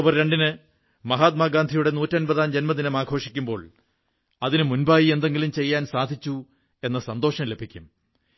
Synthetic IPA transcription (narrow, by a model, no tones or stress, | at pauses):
bɐrɾe̞ɳɖinɨ | mɐɦaːt̪̬̚maːɡaːnd̪ʱijuɽe̞nuːtːɐnbɐðaːnd͡ʑe̞nmɐd̪inɐmaːɡʱo̞ːʂikʲːumbo̞̰ːɭ | ɐðinɨmunbaːjie̞nd̪e̞ŋɡilumt͡ɕe̞jːaːnsaːd̪ʱit͡ɕːu | e̞nːɐsɐnd̪o̞ːʂɐmle̞bʱikʲːum